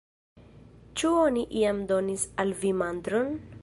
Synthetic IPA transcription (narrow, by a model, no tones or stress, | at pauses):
t͡ʃuoniʔiamd̪o̞nisalvimand̪ɾon